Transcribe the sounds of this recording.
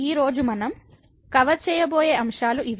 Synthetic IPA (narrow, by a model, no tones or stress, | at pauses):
iːɾo̞ːd͡ʒumɐnɐm | kɐʋɐt͡ʃɛːjɐboːjeːɐmʂaːluʔiʋ